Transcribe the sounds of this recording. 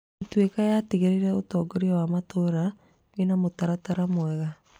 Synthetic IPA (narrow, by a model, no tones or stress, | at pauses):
twekajatiɣeɾiɾɛotɔːɡɔɾiawamatoɾa | wenamotaɾataɾamoɛɣa